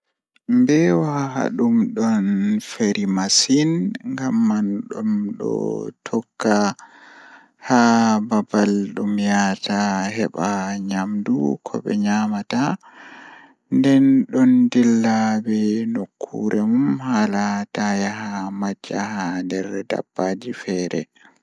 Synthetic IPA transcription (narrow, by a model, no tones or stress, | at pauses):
mbɛwaɦa̰ɗumɗɔnfeɾʔimasinŋɡamːanɗɔmɗɔ̰tʰɔkːa | hababalɗumjataɦɛɓaɲamdṵkʰɔ̰bɛ̰ɲamata | ndɛnɗɔndilːabɛnokʰːṵɾʔɛmumhalatajaɦamad͡ʒːahadɛɾda̰bːad͡ʒifɛːɾɛ̰